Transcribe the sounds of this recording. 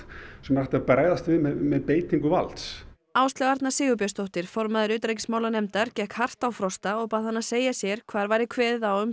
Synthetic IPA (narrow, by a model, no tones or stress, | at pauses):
sɛmnaht̪apɾaːjðast̪vɪmɛmɛðpeːjt̪iŋkʏva̰lt̪s | aːwst̪lɛɣaɾt̪nasɪːɣʏp̬jast̪owht̪ɪɾ̥fɔɾmaðɪɾʏːt̪ɾejc̬ɪ̥smaːwlanɛmt̪aɾcɛhkhar̥t̪awfɾɔst̪aɔɣpaːðhanːaseːjasjɛɾ̥kʰv̥aːɾvaːjɾɪkʰvɛːðɪðawʏm